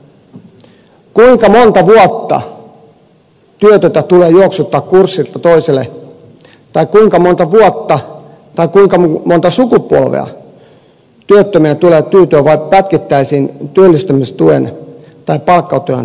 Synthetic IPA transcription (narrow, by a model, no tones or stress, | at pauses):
kuiŋkɑmo̞nt̪ɑʋuot̪ːɑ̰ | t̪yøt̪øt̪æt̪uleːjooksut̪ːɑːkkursːilt̪ɑt̪o̞isele | t̪ɑjkkuiŋkɑmont̪ɑʋuot̪ːɑ | t̪ɑikuiŋkɑmont̪ɑsukupuo̰lʋḛɑ̰ | t̪yøt̪ːømiæt̪uleːt̪yːt̪øːʋɑippæt̪kit̪ːæisiːnt̪yølːist̪ømist̪uḛn | t̪ɑipɑlkːɑot̪oø̰n